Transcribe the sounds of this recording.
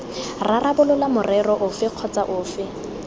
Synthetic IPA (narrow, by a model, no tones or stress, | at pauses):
rarabʊlʊlamʊrɛrɔʔʊfɪq͡χʰɔt͡sʼaʔʊːfɪ